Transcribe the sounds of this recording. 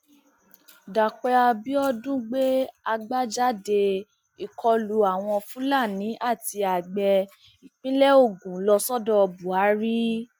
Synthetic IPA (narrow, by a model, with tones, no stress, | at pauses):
da˨k͡pɛ˧a˧bi˦ɔ˦dũ˦ɡ͡be˦a˧ɡ͡ba˦d͡ʒa˦˨de˧ | i˨kʰɔ˧lu˨˦a˨w̃ɔ̃˧fũ˦la˦˨nĩ˨˦ʔa˦˨ti˧a˨ɡ͡bɛ˧ | i˨k͡pĩ˦lɛ˦o˦˨ɡũ˨˦lɔ˧sɔ˦dɔ˦ɔ˧bu˨a˨˦ɾi˦